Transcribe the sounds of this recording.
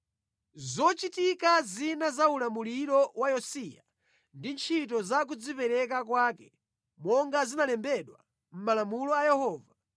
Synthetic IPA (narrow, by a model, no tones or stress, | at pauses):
zɔt͡ʃitikazinazaulamuliɾɔwajɔsija | ndint͡ʃʰitɔzak̬ud͡zipɛɾɛk̬akwaːkɛ | mɔŋɡazinalɛmbɛɗwa̰ | m̩malamulɔajɛhɔːva